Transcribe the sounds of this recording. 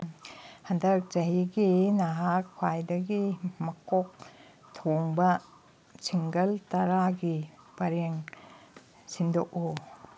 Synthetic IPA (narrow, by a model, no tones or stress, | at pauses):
hɐndɐɾk̚d͡ʒɐɦiɡinaɦakʰwajdɐɡimɐkok̚ | tʰoŋbɐ | sʰiŋɡɐltɐɾaɡi | pɐɾeŋ | sindok̚u